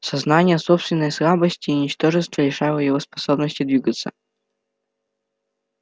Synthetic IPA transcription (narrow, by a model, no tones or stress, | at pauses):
sɐznanʲɪjəsopst̪vʲɪnːəjsɾabəsʲtʲiːʊnʲɪt͡ɕt̪o̞ʐɨst̪vəlʲɪʂajvəjɪvospɐsobnəsʲtʲɪd̪vʲiɡət̪sə̰